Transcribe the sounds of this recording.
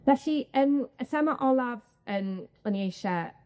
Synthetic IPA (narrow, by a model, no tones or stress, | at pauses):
vɛɬiənəsɛmaʔɔlˠav | ənɔniejʃa